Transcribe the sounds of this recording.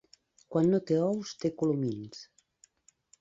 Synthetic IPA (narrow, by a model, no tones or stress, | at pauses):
kwanːot̪eɔwst̪ekulumins